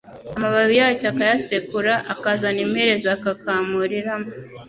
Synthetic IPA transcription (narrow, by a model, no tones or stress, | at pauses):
amaβaβijaːcakajasekuɾaʔakazanimheɾezakakaːmuɾiɾama